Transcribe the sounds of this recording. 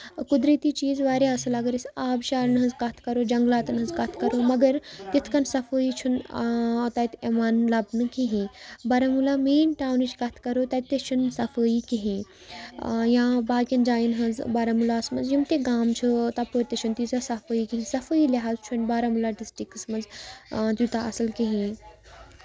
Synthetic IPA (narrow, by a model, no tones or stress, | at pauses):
kud̪ɾit̪it͡ʃiːzʋaːɾeɐsɐlaɡəɾisaːbʃaːɾnɦɐnzkɐt̪ʰkɐɾoːd͡ʒɐŋɡlaːt̪nɦɐ̃nzkɐt̪ʰkɐɾomɐɡəɾt̪it̪ʰkɐnsɐfəːit͡ʃʰun | t̪ɐt̪emaːnlɐbnɨkiɦẽbɐɾɐmulamiːnʈaːwnit͡ʃʰkɐt̪ʰkɐɾot̪ɐt̪ːet͡ʃʰunsɐfəːjikiɦĩ | jãbaːkʲind͡ʒaːjinɦɐnzbaɾɐmulaːsmɐnzjimt̪eɡaːmt͡ʃʰut̪ɐpəɾʲt̪et͡ʃʰunt̪izasɐfəːjikiɦĩsɐfəilʲɐɦaːzt͡ʃʰunbaːɾɐmulaɖisʈiksmɐnzt̪jut̪aɐsɐlkiɦĩ